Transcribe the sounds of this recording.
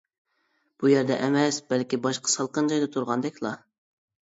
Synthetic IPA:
b̥ujæɾd̪ɛʔɛmɛsbɛlkʲibɑʃqʰə̥sɑlˠqənd͡ʒɑjd̪ɑt̪ʰuɾʁɑnd̪ɛkʲlˠɑ

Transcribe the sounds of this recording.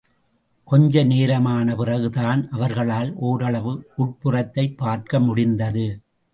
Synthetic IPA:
kɔɲd͡ʒɐneːɾɐmaːnɐpɪrɐɣɯðaːnʔɐʋɐɾɣɐɭaːlʔoːɾɐɭɐʋɯʊʈ̚pɯrɐt̪ːɐɪpːaːɾkɐmʊɽɪnd̪ɐðɯ

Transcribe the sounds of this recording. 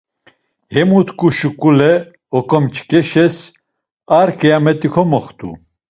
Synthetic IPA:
hɛmut̪ʰkʼuʃukʼulɛ | ɔkʼɔmt͡ʃkʼɛʃɛs | aɾkʰʼɛjamɛt̪ʼikʰɔmɔχt̪ʼṵ

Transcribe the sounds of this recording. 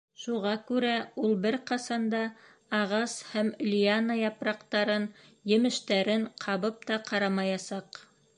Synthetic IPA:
ʃuʁɑkʉɾæulˠbɘɾqɑsɑnd̪ɑː | ʁɑshæmlʲianajɑpɾɑqt̪ɑɾɤnjɘ̆mɘ̆ʃt̪æɾɘɴqʰɑβɤp̚t̪ɑqɑɾɑmɑjɑsɑq

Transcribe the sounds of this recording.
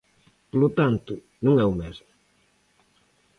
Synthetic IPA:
polʊt̪ant̪ʊ | nũŋɛumɛzmʊ

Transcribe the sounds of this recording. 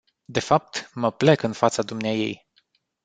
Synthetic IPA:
d̪e̞fap̚t̪məpləkɨnfat̪sad̪umneaje̞̰j

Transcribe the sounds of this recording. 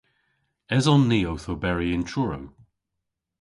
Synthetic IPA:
ɛzɔnːiːowθowbɛɹiɪ̃ntʰɹʊɹo̰w

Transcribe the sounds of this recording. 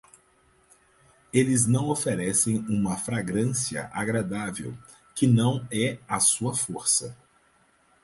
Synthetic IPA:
elɪznɐ̃w̃ofeɾɛsẽj̃ũmɐfɾaɡɾɐ̃siɐ̰ʔaɡɾad̪avḛw | kɪnɐ̃w̃ɛasuɐfoɾsɐ

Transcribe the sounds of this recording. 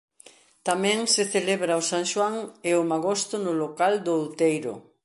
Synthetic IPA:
t̪amɛ̃ŋseθeleβɾaosaŋʃwaŋeʊmaɣost̪ʊnʊlokald̪oːwt̪ejɾʊ̰

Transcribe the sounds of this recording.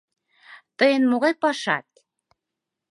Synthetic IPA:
t̪əjenmoɣɑjpɑʃɑ̰t̪̚

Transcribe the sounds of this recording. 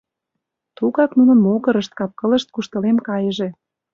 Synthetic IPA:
t̪uɣɑknunɤ̆nmoɣə̆ɾə̆ʃt̪̚kɑp̚kɤ̆lə̆ʃt̪̚kuʃt̪ə̆lemkɑjəʒĕ

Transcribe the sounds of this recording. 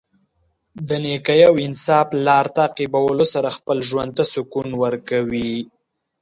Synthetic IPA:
d̪ənekajawɪnsɑflɑɾt̪aːqibawəlosaɾaxpəlʒwand̪̚t̪asʊkunwəɾkawi

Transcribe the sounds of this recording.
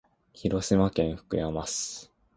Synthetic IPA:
çiɾo̞ɕimakẽ̞ɰ̃ɸɯ̟̥kɯ̟jamasɨ̥

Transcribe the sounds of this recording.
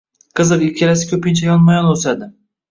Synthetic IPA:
qʰɨzɨɾɪkʲʰalasɪ̥kʲʰɵpɪnt͡ʃʰajɒnmajɒnosad̪ɪ

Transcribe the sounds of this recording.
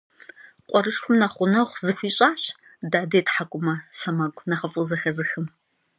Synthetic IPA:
qʷʼɔɾɨʂxʷʊmnɐχʷʊnɐʁʷzɨxʷiːɕʼaːɕ | daːdejtħakʷʼʊmɐsɐmɐɡʷʼnɐχɐfʼʊzɐxɐzɨxɨm

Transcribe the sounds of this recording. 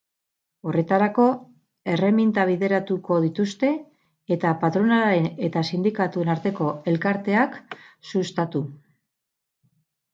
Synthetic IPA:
o̞re̞t̪aɾako̞ | e̞re̞mint̪aβ̞iðe̞ɾat̪uko̞ð̞it̪ust̪e̞ː | t̪apat̪ɾo̞nalɾene̞t̪asind̪ikat̪ue̞naɾt̪e̞ko̞e̞lkaɾt̪e̞aksust̪at̪u

